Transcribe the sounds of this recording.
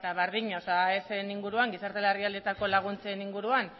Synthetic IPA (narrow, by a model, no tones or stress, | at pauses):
t̪aβeɾðiɲaosaeseniŋɡuɾuaŋɡisaɾt̪elariald̪e̞t̪ako̞laɣ̞unt͡se̞niŋɡuɾuan